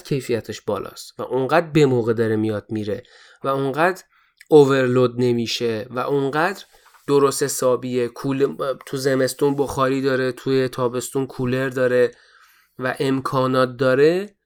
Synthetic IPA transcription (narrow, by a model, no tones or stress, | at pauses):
kcʰe̞jfijæt̪ʰeʃbɒːlʔɒ̰ːst̪væ̰ʔuɴɡæːd̪ɾbe̞moːɣe̞d̪ɒɾemijɒːd̪̥̚miːɾe̞ | væuŋɢæːd̪ɾ | ove̞ɾlod̪ne̞miːʃe̞væʔuɴɢæd̪ɾ | d̪̥oɾoshesɒːbiekʰult̪ʰuzeme̞st̪unboxɒːɾiːd̪ɒːɾe̞t̪ʰujet̪ʰɒːbe̞st̪unkʰule̞ɾd̪ɒːɾe̞ | væʔe̞mkʰɒːnɒːt̪̚d̪ɒːɾe